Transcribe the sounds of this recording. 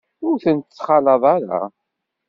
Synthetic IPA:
ʊɾθənt̪t͡sːχɑlɑðˤɑɾa̰

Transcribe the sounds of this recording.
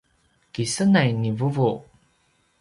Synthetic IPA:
kisənajnivuvu

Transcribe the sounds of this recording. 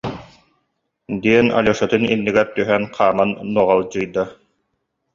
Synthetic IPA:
d̪iɛna̰luɔʃat̪ɯnḭnːiɡɛɾt̪yɦɛnqʰaːmanːuɔʁalˠd͡ʑɯjd̪a

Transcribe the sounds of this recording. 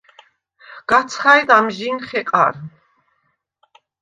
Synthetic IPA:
ɡ̥at̪sʰχajd̪amʒinχɛqʼa̰ɾ

